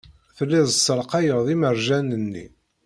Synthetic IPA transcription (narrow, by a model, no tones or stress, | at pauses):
θəlːiðˤəsːəɾqɑjəʁðˤiməɾʒænənːḭ